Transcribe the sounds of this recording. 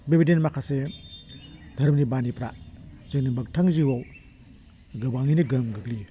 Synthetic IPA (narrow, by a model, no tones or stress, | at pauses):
bebidenmakʰase | dʱɐɾmnibanipɾazɯnibɐk̚tʰaŋziwaw | ɡɯbaŋiniɡɐmɡɯɡli